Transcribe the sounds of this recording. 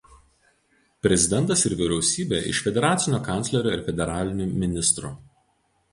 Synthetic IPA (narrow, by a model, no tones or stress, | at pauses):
pʲɾʲɛzʲɪd̪ʲɛnˑt̪ɐsɪɾʋʲɪɾʲɛʊsʲiːbʲḛːʔɪ̰ʃfʲɛd̪ʲɛɾɑːt̪sʲɪnʲoːkɑˑnʲtsʲlʲɛɾʲoːɪɾfʲɛd̪ʲɛɾɑːlʲɪnʲuːmʲɪnʲɪst̪ɾṵː